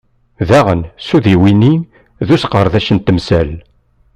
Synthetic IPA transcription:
ðæʁənsuðiwinin | ðusqəɾˤðæʃənt̪əmsæl

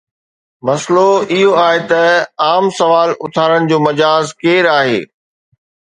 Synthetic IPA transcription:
mɐsloɪɦoaːɦet̪ɐaːmsɐʋaːlʊt̪ʰaːɾəɽ̃ɪ̆d͡ʑoːmɐd͡ʑaːzkeːɾaːɦḛː

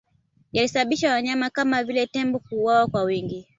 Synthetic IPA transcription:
jalisaɓaɓiʃawaɲamakamavilɛtɛmbɔkuːwawakwawiŋɡi

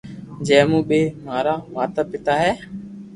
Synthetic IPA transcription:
d͡ʒɛ̃ːmũːɓeːmaːɾaːʋaːt̪əːpɪt̪aːɦɛː

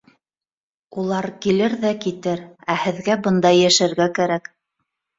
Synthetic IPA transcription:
ulˠɑɾkilɘɾðækit̪ɘɾæhɘ̆ðɡæbɤnd̪ɑjːæʃæɾɡækæɾæk

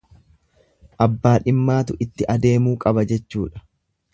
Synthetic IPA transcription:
ʔɐbːaːᶑɪmːaːt̪ʊʔɪt̪ːɪʔɐd̪e̞ːmuːkʼɐbɐd͡ʒɛt͡ʃːuːᶑɐ̥

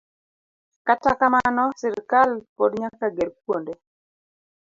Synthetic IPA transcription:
katakamanɔsɪɾkalpodɲakaɡeɾkwonde

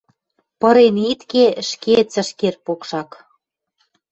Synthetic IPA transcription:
pɤɾenit̪keʃket͡sə̆ʃkerpokʃɑk

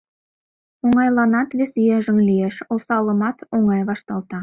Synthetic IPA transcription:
oŋɑjlˠɑnɑt̪vʲesijeʒɘ̆ŋlʲijeʃolˠsɑlˠə̆mɑt̪oɴɑjbɑʃt̪ɑlˠt̪ɑ

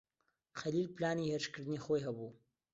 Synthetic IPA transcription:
xalilplɑːniheɾʃkəɾd̪ənixojɦabu

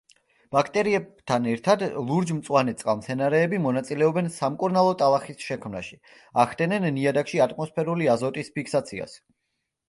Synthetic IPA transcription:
b̥akʰt̪ʼɛɾiɛbt̪ʰanɛɾt̪ʰad̪lˠuɾd͡ʒmt̪sʼwanɛt̪sʼqʼamt̪sʰɛnaɾɛːbimɔnat̪sʼilɛɔbɛnsamkʼuɾnalˠɔt̪ʼalˠaχisʃɛkʰmnaʃi | aχd̪ɛnɛnːiad̪akʃiat̪ʼmɔspʰɛɾuliazɔt̪ʼispʰikʰsat̪sʰia̰s

